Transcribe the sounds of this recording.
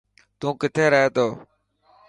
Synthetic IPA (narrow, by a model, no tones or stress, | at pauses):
t̪ũːkɪt̪ʰeːɾəɦeːt̪oː